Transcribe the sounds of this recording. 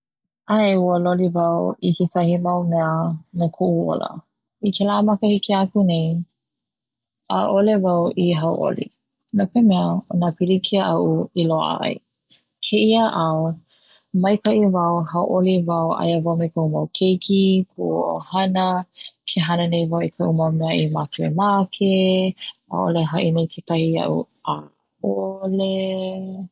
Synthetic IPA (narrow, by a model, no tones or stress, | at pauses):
aeuəlolivawikesɐhimɐwmɛənakʰoʔuo̰lə̰ | ikʰelamɐkəhikiakunej | a̰ʔolevawʔiɦɐwʔo̰lḭ | nokemɛəonapilikʰiaʔɐʔuiloa̰ɐ̰j | kʰeʔiaʔao | mɐjkɐʔivɐwhɐwʔolivɐwa̰jəvawmejkɐumɐwkʰejkʰikʰuʔʔo̰hɐnɐkʰeɦɐnənejvawikʰɐʔumɐwmɛɐʔimakuemakʰe | a̰ʔo̰leɦɐʔinejkʰetɐhiɐ̰ʔṵ | ʔa | ole